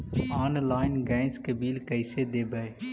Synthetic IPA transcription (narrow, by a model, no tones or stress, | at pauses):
aːnlaːɪnɡɛ̃ːskəbiːlkəɪseːd̪eːbəe